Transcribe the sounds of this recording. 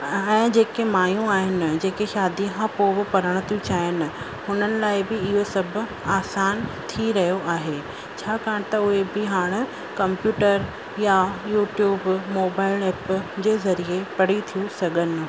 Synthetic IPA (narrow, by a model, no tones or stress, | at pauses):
ɛ̃ːd͡ʑeːkemaːjũaːɦɪnɪ̆d͡ʑeːkeʃaːd̪ikʰãpoːbɪpɐɾəɽ̃t̪ʰiũt͡ɕaːɦɪnɪ̆ | hʊnənɪ̆laːɪbɪɪɦosɐbʱʊ̆ | aːsaːnt̪ʰiɾɐɦijoʔaːɦe | t͡ɕʰaːkaːɽ̃t̪ɐʊɦebɪɦaːɽ̃̆ | kɐ̃mpjuːʈəɾ | jajuːʈjuːbmoːbaːɪlɛːpd͡ʑeːzɐɾiepɐɽ̤it̪ʰijũsɐɠʱənɪ̆